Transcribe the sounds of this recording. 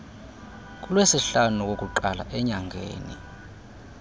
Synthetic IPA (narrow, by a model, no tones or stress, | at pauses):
k̬ʼulwesiɬanuk̬ʼok̬ʼuǃala̰ʔɛɲaŋɡʱḛːnḭ